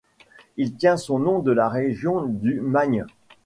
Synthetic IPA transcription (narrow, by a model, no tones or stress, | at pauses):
ilt̪jɛ̃sɔ̃nɔ̃d̪əlaʁeʒjɔ̃d̪ymaɲ